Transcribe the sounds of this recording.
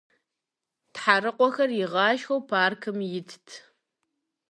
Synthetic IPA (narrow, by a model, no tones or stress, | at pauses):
tħaɾɨqʷʼɔxɐrjɪʁɑːʃxɐwpʰaːrkʰɨmjɪtʰtʰ